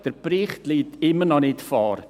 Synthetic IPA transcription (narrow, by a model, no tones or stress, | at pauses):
d̥əɾb̥ɾiːχtliːtɪməɾnɔnɪtfɔːɾ